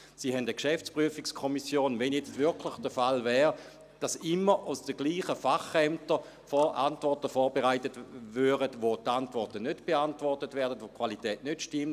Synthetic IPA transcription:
siːɦɛndəkʃɛft͡spʁyəfikskʰɔmisjoːnvɛnjɛt͡stvʏɐkʰlɪχd̥əfalvɛːʁ | d̥asɪmːəasd̥əɡ̥liːχəfaχɛmtə | fɔʔantvɔɐtəfɔːɐbeʁaɪtətvøːʁətʋotantvɔʁtənødb̥eantvɔʁtətvɛɐdətʋokʰvalitɛːtnøtʃtɪmt

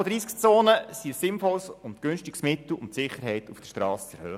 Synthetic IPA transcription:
ɔd̪ɾiːskt͡soːnəsiəsːɪnfɔlsʊnt̪ɡ̥ʏnʃtiɡsmɪt̪l̩ʊntsɪχːəɾɦɛɪt̪ufd̥ə̥ʃtɾɑːst͡sɛɾhøː

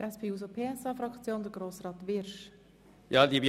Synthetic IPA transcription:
ʔɛspʰeːus̬opʰeːɛsɑfɾɑkt͡sjoːnd̪əɡɾoːsrɑːt̪ʋɪɾʃ | jɑd̪ib

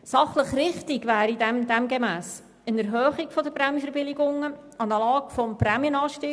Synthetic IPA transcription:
sɑχləχrɪχtɪɡʋæːɾidɛmd̥̪ɛmɡemæːs | ənɛɾɦœːχiɡfɔd̪əprɾæmjəfɛɾbɪliɡʊŋəɑnəlɑːkfɔmprɛmjənɑːʃtɪ

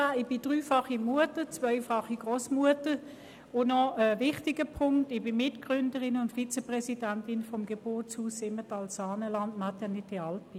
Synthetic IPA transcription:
aɪb̥ɪd̥ʁyːfɑχimuətət͡svœʏfɑχiɡ̥ʁoːsmuətə | ʊnɔəvɪχtɪɡ̥əpʰʊŋktɪb̥ɪmɪtkɡ̥ʁʏndəʁɪnʊntfit͡səpʁɛsidantɪnfɔmɡ̥eb̥ɔt͡shuːsɪmətɑlsaːnəlɑntmɑtjɑnɪt̚d̥ɪɑlt̚pi

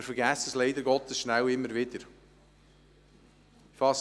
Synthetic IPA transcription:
ɾfəɾɡæːsəsleɪd̪əɾɡɔt̪əsʃnæwɪmːəɾvɪdəɾ | fɑs

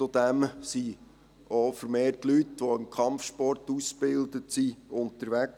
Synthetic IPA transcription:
t͡sod̪̥æmsi | ofəɾmeːrtlytʋɔɪmkʰχɑmfʃpɔrtusb̥ɪld̪ətsiʊntəɾʋæk

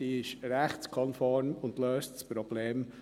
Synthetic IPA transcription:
ɪʃɾɛχkʰɔnfɔɾmʊndløːstspɾɔb̥leːm

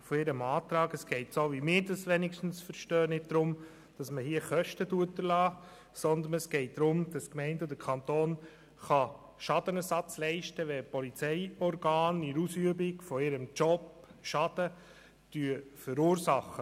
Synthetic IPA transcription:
fɔɪɾəmɑːt̪ɾɑːɡəsɡ̥ɛɪtsoːʋimɪːɾdɑsʋɛnɪkʃtn̩sfəɾʃtœːnɪd̚d̪̥ɾʊm | d̥ɑsməhiəχœʃtəduətdəɾlɑː | sɔnd̪ənɛsɡ̥ɛɪt̚d̥ɾʊmd̥ɑskmɛɪntɔd̪əkʰɑnt̪oːn | χɑ | ʃɑd̥ənɛsɑt͡slɛɪʃtəʋɛpɔlit͡sɛɪɔɾɡɑːniɾusyəbɪɡfɔɪɾəmt͡ʃɔp | ʃɑd̥ə | d̥yəfəɾuːɾsɑχːə

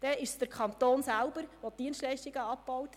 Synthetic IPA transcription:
d̥ɛɪʃsd̥əɾkʰɑnt̪oːnsælbəɾʋɔtiənstlɛʃtiɡəɑp̚b̥ɔwt

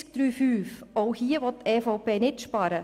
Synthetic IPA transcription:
k̚d̪̥ɾyːfyːfɔʊhiːəʋɔttːɛːfɔʊpeːnɪtʃpɑːɾə

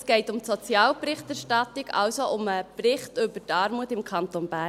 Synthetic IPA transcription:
sɡ̥ɛɪtʊmtsot͡sjɑːlprɪχtæɾʃtɑtɪɡɑ̰wsoʔʊməprɪχtʏbətɑːɾmuətɪmkʰɑnt̪onb̥æː

